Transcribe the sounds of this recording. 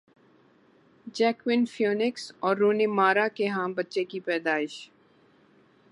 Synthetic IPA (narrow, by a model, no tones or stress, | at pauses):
d͡ʒɛːkwɪnfjoːnɪksɔːɾːuːnemaːɾakeɦãːmbɐtːʃekipɛːd̪aːɪʃ